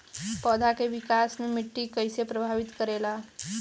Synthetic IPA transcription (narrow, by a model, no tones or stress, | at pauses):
pɔd̪ʱakeʋikasmemɪʈːikəjsepɾəbʱaʋit̪kəɾela